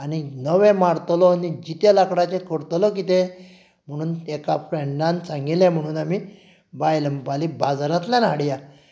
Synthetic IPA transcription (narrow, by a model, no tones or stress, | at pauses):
aninəʋɛ̃maɽt̪lɔːnid͡ʑit̪jalakɽat͡ɕekəɾt̪lɔk̬it̪e | m̤əɽ̃uːnɛkafɾɛɳɖãnt͡sãŋɡilɛ̃m̤əɽ̃uːnami | bajləmpalibʱad͡zɾãt̪ljanaɽija